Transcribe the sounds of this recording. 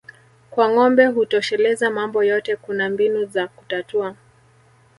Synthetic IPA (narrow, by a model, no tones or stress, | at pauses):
kwaŋɔmbɛɦutɔʃɛlɛzamambɔjɔtɛkunambinuzaku̥tatua